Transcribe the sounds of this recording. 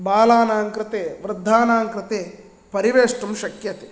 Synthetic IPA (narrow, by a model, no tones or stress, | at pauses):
baːlaːnaːŋkɾɪt̪eːʋɾɨd̪ʱːaːnaːŋkɾɪt̪eː | pɐɾiʋeːʂʈumʃɐkjɐt̪e